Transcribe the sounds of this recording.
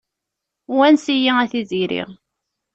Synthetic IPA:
wænsijiæθiziɾḭʁ

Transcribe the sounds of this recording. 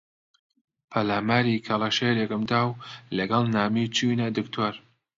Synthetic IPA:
pʰɐlaːmaːɾikʰɐlˠɑʃeɾeɡɨmd̪aːwlɐɡɐlˠnaːmiːt͡ʃunad̪ɨkt̪ʰoːɾ

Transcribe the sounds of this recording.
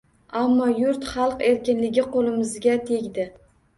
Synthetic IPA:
amːɒjʊɾt̪χɑlˠqe̞ɾkʲɪnlɪɡʲɪqʰolɪmɪzɡʲat̪ʰe̞ɡʲd̪ɪ

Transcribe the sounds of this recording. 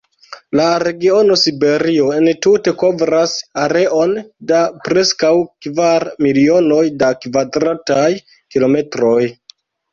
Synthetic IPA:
laɾe̞ɡio̞no̞sibe̞ɾio̞e̞ntute̞ko̞vɾasaɾe̞ʔo̞ndapɾe̞skawkvaɾmilio̞no̞jdakvadɾataj | kilo̞me̞tɾo̞j

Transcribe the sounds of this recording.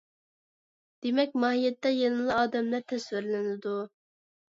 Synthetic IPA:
d̪̥emɛkʲmɑːɦijɛt̪ːɛjelˠlˠɑɑːd̪ɛmlæɾt̪ʰɛswɪɾlɪnɪd̪u

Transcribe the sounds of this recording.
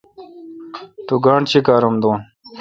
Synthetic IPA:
t̪uɡaːɳt͡ɕikaːɾumd̪oːn

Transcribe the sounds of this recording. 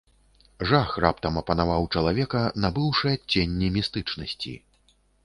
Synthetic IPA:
ʐaxɾap̚t̪ɐmɐpɐnavawt͡ʂɐlˠavʲɛkɐnabɨwʂɨjɐt͡sʲːenʲːimʲist̪ɨt͡ʂnɐsʲt͡sʲḭ

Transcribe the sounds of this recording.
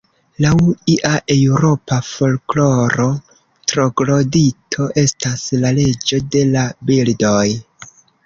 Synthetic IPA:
lawiʔaʔewɾo̞pafo̞lklo̞ɾo̞ | tɾo̞ɡlo̞ditʰo̞ʔe̞staslale̞d͡ʒo̞de̞labildo̞j

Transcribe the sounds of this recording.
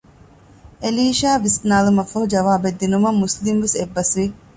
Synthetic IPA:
eliːʃaːʋisnaːlumɐfɐɦud͡ʒɐʋaːbed̪ːinumɐmːuslimʋesebːɐsʋi

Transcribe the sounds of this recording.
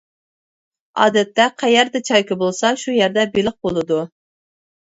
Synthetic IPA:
ɑ̰ːd̪ɛt̪ːɛqʰæjɛɾd̪ɛt͡ʃʰɑjkɨbolˠsɑʃujɛɾd̪ɛbelɪq̚bolˠɨd̪u

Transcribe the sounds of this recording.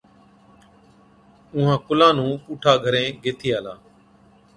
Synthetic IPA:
ʊ̃ɦãːkʊlãːnũːpuːʈʰaːɡʱəɾẽːɡeːt̪ʰiːaːlaː

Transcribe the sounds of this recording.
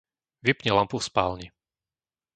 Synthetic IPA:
ʋipɲɛlampufspa̰ːlɲi

